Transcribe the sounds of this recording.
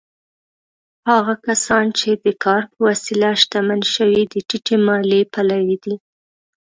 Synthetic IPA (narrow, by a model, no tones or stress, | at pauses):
hɑɣakasɑnt͡ʃed̪əkʰɑɾpəwasilaʃt̪amanʃəwid̪əʈiʈemɑlepalawid̪i